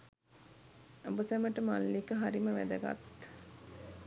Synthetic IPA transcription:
obusæməʈəmalːikəɦaɾiməʋæ̰d̪ɐɡa̰t̪

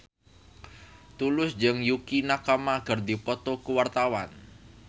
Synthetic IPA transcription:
t̪ulʊsd͡ʒəŋjukinakamaɡ̥a̤rd̪ipɔt̪ɔkuwart̪awan

